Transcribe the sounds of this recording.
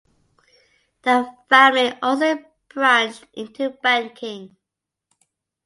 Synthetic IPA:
ðəfæmliʔɔs̬o | b̥ɹãnʔɪ̃ntʰubæ̃nkʰɪ̃ŋ

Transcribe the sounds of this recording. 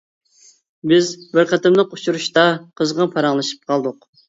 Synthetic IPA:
bɪzbɪɾqʰæt̪ɪmlˠəqu̥t͡ʃʰuɾuʃt̪ɑqʰəzʁɑpʰɑɾɑŋlˠɨʃi̥p̚qʰɑlˠd̪ʊq

